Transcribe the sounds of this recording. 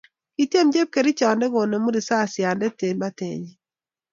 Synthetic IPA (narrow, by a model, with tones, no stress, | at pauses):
ki˨te˦md͡ʒe˦p̚ke˨ɾi˦t͡ʃa˨ndɛ˦ɡo˨no˨mu˦ɾi˨sa˦˨sja˨ndɛ˦te˨ɲma˦tḛ˨ɲ˦